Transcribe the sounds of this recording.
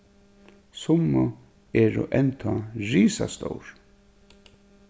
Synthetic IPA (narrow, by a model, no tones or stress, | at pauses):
sʊmːʊ | ɛːɾʊ̰ʔɛnt̪ʰɔɹiːsast̪owɹ